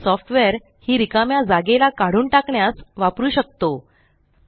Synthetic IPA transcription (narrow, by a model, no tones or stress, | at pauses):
sɔfʈʋɛɾ | hiːɾikamjad͡zaɡelakaɽuːɳʈakɳjasʋapɾuːɕək̚t̪o